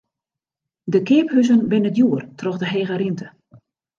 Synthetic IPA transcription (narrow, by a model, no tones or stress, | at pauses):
dəkɪːphyzənbɪnədjuːərtrɔxdəɦeːɣəɾintə